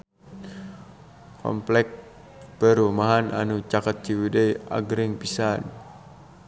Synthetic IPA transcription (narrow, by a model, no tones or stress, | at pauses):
kɔ̰mplɛk̚ | pəɾumaɦana̰nut͡ʃakat̪̚t͡ʃiwidəja̰ɡɾɪŋpisan